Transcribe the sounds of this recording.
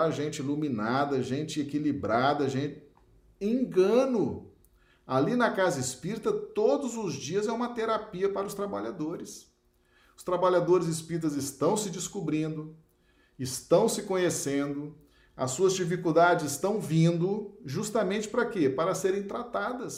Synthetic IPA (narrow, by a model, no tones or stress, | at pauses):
aʒẽnt͡ʃɪiluminad̪ɐʒẽt͡ʃɪekilibɾad̪ɐʒẽt͡ʃɪ | ẽɡɐ̃nʊ | alinɐkazɐɪspiɾit̪ɐt̪od̪ʊzʊzd͡ʒiɐzɛũmɐt̪eɾapiɐpaɾʊst̪ɾabaʎad̪oɾɪs | ʊst̪ɾabaʎad̪oɾɪzɪspiɾit̪ɐzɪst̪ɐ̃w̃sɪd͡ʒɪskubɾĩnd̪ʊ | ɪst̪ɐ̃w̃sɪkõɲesẽnd̪ʊ | ɐsːuɐzd͡ʒifikud̪ad͡ʒɪzɪst̪ɐ̃w̃vĩnd̪ʊʒust̪amẽnt͡ʃɪ̥pɾɐkepaɾɐseɾẽj̃t̪ɾat̪ad̪ɐs